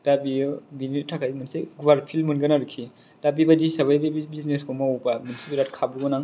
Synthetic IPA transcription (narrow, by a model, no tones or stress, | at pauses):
d̥abiɯbinitʰakʰajmɯnseɡuwaɾpʰilmɯnɡɯnaɾukʰi | d̥abibadisaβajbabibizneskɔmaɔbamunisipiɾatkʰabuɡɔnaŋ